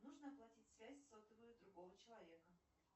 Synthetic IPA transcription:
nuʐnəɐplˠɐtʲitʲsvʲæsʲsot̪əvəjʊd̪ɾʊɡo̞vət͡ɕɪlˠɐvʲe̞kə

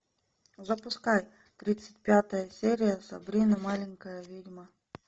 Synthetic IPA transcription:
zəpʊskaj | t̪ɾʲit̪sɨ̥t̚ʲpʲat̪əjəsʲeɾʲɪjəsɐ̰bɾʲinɐmalʲɪŋkəjəvʲidʲmə

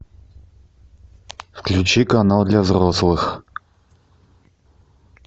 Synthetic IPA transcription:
fklʲʉt͡ɕikanalˠd̪lʲavzroslˠɨx

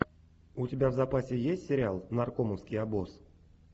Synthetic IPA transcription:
utʲɪbʲavzapasʲɪjesʲtʲsʲɪɾʲɪalˠnarkoməwskʲijabos

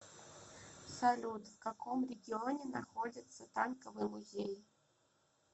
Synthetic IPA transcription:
salʲud̪wkakʰɔmrʲɛɡʲiɔnʲɛnaxɔd͡zʲɐt̪sːɐt̪ankɐvɨmuzʲej

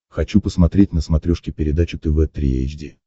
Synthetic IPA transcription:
xɐt͡ɕupəsmɐt̪ɾʲetʲnəsmɐt̪ɾʲoʂkʲɪpʲɪɾʲɪd̪at͡ɕʊt̪ɨvɛt̪ɾʲḭḛjd͡ʒdʲi

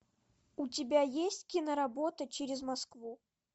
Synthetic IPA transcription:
utʲɪbʲajesʲtʲkʲinəɾabot̪ət͡ɕeɾʲɪzmaskvu

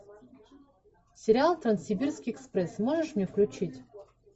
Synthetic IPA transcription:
sʲɪɾʲɪalˠt̪ɾɐnsʲɪbʲirskʲiɛkspɾɛsmoʐɨʂmnʲefklʲʉt͡ɕitʲ

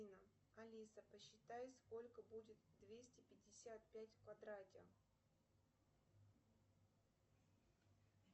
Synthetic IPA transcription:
inə | ɐlʲisəpəɕːɪt̪ajsko̞lʲkəbudʲɪt̪d̪vʲesʲtʲɪpʲɪdʲːɪsʲat̪pʲætʲkvɐd̪ɾatʲɪ̰

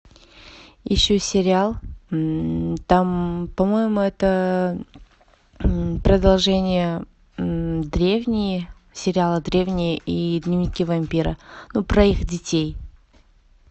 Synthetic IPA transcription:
jɪ̰ɕːosʲɪɾʲɪalˠ | t̪ampɐmojɪmʊɛt̪ə | pɾəd̪ɐlˠʐɛnʲɪjə | d̪ɾʲevnʲɪjə | sʲɪɾʲɪalˠəd̪ɾʲevnʲɪjəʔid̪ʲnʲɪvnʲɪkʲivɐmʲpʲiɾə̰nupɾɐixdʲɪtʲej

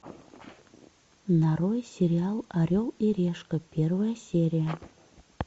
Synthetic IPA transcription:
nɑɾojsʲeɾʲiɑlˠɑɾʲolˠiɾʲeʃkə̆pʲervəjasʲeɾʲija

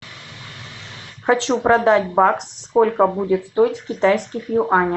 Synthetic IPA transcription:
xɐt͡ɕupɾɐd̪atʲbaksːko̞lʲkəbudʲɪt̪st̪o̞ɪtʲfkʲɪt̪ajskʲɪxjʊʔanʲə

